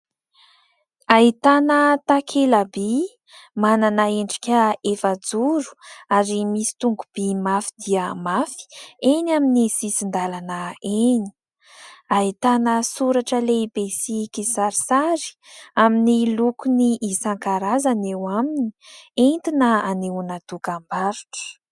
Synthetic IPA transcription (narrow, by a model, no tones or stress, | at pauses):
ait̪anət̪akʰelabi | mananaeɳɖ͡ʐi̥kʲəefad͡zuɾu̥aɾimisi̥t̪uŋɡub̥imafid̪iəmafi̥enaminisisind̪alanəeni̥ | ait̪anəsuɾaʈ͡ʂəleibesikisaɾisaɾi̥aminilukuniʔisaŋkaɾazanewamini̥ent̪inəaneunat̪ukambaɾu̥ʈ͡ʂə̥